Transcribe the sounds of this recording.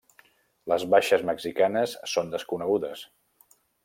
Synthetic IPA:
ləzβaʃəzməɡzikanəsːond̪əskunəɣuðəs

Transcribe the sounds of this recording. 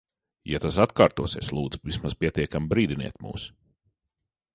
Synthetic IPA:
jat̪asat̪kaːɾt̪uɔseːslˠuːd̪zuvismaz̥pʲiɛt̪iɛkambɾiːd̪inḭɛt̪mṵːs

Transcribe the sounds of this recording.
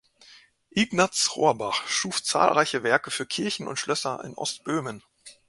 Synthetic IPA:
ʔiɡnat͡sʁo̰ːɐbaχʃuːft͡sa̰ːlʁaɪçəvɛɐkəfyːɐkʰɪɐçn̩ʊ̰ntʃlœsɐɪ̰nʔɔ̰stb̥øːmən

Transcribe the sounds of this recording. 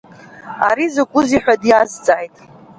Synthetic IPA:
a̰ɾizakʷʼʊziħᶣadjazt͡sʼaːjtʼ

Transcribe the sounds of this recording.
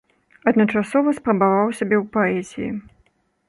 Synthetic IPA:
ɐd̪nɐt͡ʂasɔvɐspɾɐbavawsʲabʲɛwpaɛzʲijḭ

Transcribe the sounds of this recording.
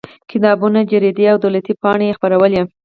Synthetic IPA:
kɪt̪ɑbunad͡ʒaɾed̪iawd̪awlat̪ipɑɽ̃ejexpaɾawəlje

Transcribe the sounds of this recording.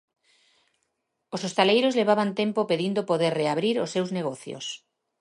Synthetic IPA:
osost̪alejɾozleβ̞aβant̪empopeðind̪opoðeɾreaβɾiɾosːewzneɣ̞oθjo̰s

